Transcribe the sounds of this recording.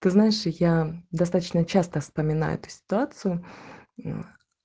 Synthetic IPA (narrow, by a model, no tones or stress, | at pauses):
t̪ɨznaɪʂjad̪ɐst̪at̪ət͡ɕnət͡ɕast̪əfspəmʲɪna̰jʊ̰ɛ̰t̪ʊ̥sʲɪ̥t̪ʊat̪sɨjʊ